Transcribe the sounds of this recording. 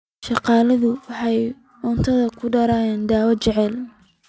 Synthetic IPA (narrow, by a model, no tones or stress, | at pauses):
ʃɑqɑːlɐðʊwɑħɑj | ɔnt̪ʰɐðɐkʰʊɖɐɾaːjɛːnd̪aːwɐt͡ʃɛʕɛl